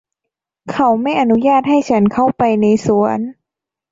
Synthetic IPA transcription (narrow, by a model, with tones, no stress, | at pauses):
kʰa˨˦wma˥˩jʔa˧nu˧˦˥jaː˥˩t̪̚ɦa˥˩jt͡ɕʰa˦˥nkʰa˥˩wpa˧jna˧jsu˩˦ən